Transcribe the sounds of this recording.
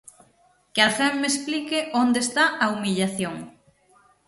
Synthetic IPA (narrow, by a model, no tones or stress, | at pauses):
kealfɛmmesplikɪʔond̪eːst̪aʔaumiʎaθjoŋ